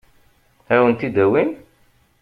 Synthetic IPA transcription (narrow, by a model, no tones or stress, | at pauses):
æwənt̪id̪æwin